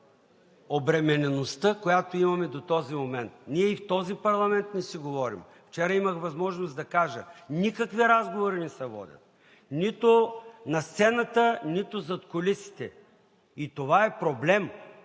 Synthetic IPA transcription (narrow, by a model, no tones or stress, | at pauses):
obɾɛmɛnɛnost̪əkojat̪oimɐmɛd̪ot̪ɔzimomɛnt̪̚niɛift̪ɔzipɐɾlˠɐmɛnt̪nɛsiɡovɔɾḭm | ft͡ʃɛɾɐiməxvɐzmɔʒnosd̪ɐkaʒə̰nikɐkviɾazɡovoɾinɛsɐvɔ̰d̪ʲə̰t̪̚ | nit̪onɐst̪sɛnɐt̪ənit̪ozɐt̪kolisi̥t̪ɛ̰ | it̪ovaɛpɾoblɛm